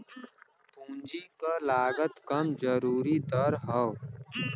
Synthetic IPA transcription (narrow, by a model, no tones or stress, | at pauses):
pũːnd͡ʒikalaːɡət̪kəmd͡ʒəɾuːɾid̪əɾɦə